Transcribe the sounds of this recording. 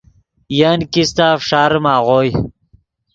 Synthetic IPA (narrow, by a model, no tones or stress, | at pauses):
jankist̪aːfʂaːɾmaːʁoj